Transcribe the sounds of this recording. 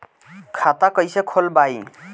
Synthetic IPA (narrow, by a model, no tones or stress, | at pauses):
kʰat̪akəjsekʰolbai